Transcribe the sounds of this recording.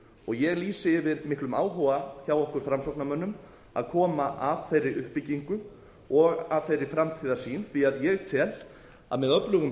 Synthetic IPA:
ɔɣjɛɣliːsɪvɪðmɪhklʏmaːwɦɔaθjawɔhkʏɾ̥fɾamsɔwknamœnːʏm | a̰ðkʰɔːmaʔavθejrːɪɾʔʏhpːɪciŋkʏ | ɔɣav̥θejrɾːɪɾ̥fɾamt̪ʰiːðasiːnθiaðjɛɣt̪ʰɛl | a̰ðmɛðœplʏɣʏm

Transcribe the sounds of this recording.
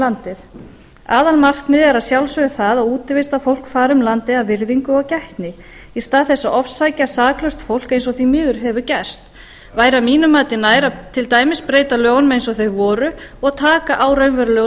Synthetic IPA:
lant̪ɪθ | aːðanmar̥knɪðɛɾaðsjawlsvœɣɪθaðaðuːt̪ɪvɪst̪afowlkfaːɾʏmlant̪ɪðaðvɪɾðiŋkʏɔcɛht̪nɪ | ist̪aːðθɛsːaʔɔfsːajcasaːklœst̪fowl̥kejns̬ɔθimɪːðʏɾ̥ɦɛvʏcɛst̪ | vaːjɾamiːnʏmaːt̪ɪnaːjɾat̪ʰɪlt̪aːjmɪspɾeːjt̪aljœːɣwnmɛejnsɔθejɣvɔːɾʏɔɣat̪ʰaːkaʔaːwɾœɥmvɛɾlœ

